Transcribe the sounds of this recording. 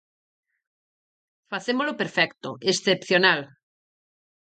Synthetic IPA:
faθemolopeɾfɛkt̪oesθepθjonal

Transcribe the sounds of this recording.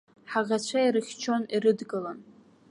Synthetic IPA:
ħaʁʲat͡ɕʷʰaiɾɨχʲt͡ʃʰo̞niɾɨdɡʼɨlan

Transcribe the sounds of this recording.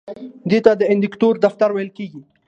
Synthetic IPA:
d̪et̪ad̪əɪnd̪ɪkt̪oɾd̪aft̪aɾwajəlkeɡi

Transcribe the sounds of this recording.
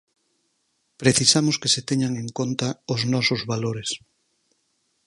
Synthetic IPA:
pɾeθisamʊskeset̪eɲaŋẽŋkont̪ɐʊznɔsʊzβaloɾes

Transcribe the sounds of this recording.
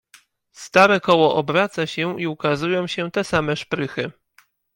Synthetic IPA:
st̪aɾɛkɔwɔʔɔbɾat̪saɕɛiukazujɔ̃w̃ɕɛt̪ɛsamɛʂpɾɘxɘ

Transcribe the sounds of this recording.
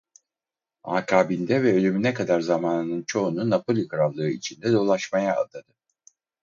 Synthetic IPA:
a̰ːkʰaːbind̪ɛvɛølʲymynɛkʰad̪aɾzamaːnɯnɯnt͡ʃʰo̞ununːapʰo̞lʲikʰɾallˠɯɯit͡ʃʰind̪ɛd̪o̞lˠaʃmaja̰ːd̪ad̪ɯ̥

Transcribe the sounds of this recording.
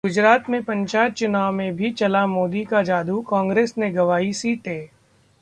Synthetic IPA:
ɡʊd͡ʒɾaːt̪mẽpɐ̃ɲt͡ʃaːjət̪̚t͡ʃʊnaːwmẽbʱit͡ʃɐlamoːd̪ikad͡ʒaːd̪ukɔ̃ːŋɡɾeːsneɡɐʋaːisit̪eː

